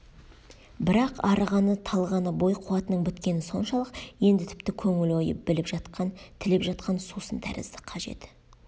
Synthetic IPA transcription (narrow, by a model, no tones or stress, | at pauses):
bɪɾɑqɑɾəʁɑnət̪ʰɑlˠʁɑnəbo̞jqʰʊwɑt̪ənəɴbʏt̪kʲe̞nɪso̞nʃɑlˠəqje̞nd̪ɪt̪ʰɪ̥p̚t̪ɪkʲʰɵŋɪlo̞jə̰p̚bɪlɪpʒɑt̪ʰɪlepʒɑt̪qɑnsusənt̪ʰæ̰ɾɪ̰zd̪ɪ̥qʰɑʒe̞̰t̪